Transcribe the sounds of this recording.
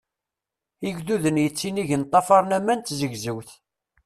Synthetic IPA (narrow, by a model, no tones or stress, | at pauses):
iʝðuðənjət͡sːiniʝənt̪ˤːɑfɑɾˤnæmːænt̪zəʝzəwθ